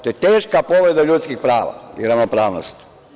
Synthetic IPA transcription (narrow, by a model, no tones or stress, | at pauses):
t̪ojet̪eːʃkapo̞ʋɾed̪aʎut̪skixpɾaːʋa̰iɾaʋnopɾaːʋnost̪